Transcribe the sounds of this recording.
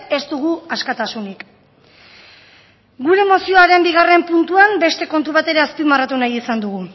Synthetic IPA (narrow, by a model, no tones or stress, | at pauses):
e̞st̪uɣ̞uaskat̪asunik | ɡuɾe̞mo̞sio̞aɾe̞mbiɣ̞are̞mpunt̪uambe̞st̪e̞ko̞nt̪uβat̪e̞ɾe̞aspiðmarat̪unajisand̪uɣ̞u